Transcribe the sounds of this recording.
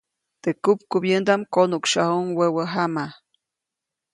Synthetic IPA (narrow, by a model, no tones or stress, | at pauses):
t̪ekupkubjend̪amkonukʃahuŋwewəɦama